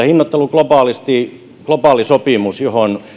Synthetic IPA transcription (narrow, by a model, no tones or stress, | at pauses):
hinːot̪ːeluklopɑˑlist̪iˑ | klopɑːˑlisopiˑmusjohon